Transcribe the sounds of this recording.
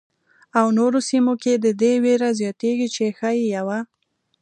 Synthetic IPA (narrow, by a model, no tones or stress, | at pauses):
awnoɾosimoked̪əd̪eweɾazjɑt̪eɡit͡ʃexajijawa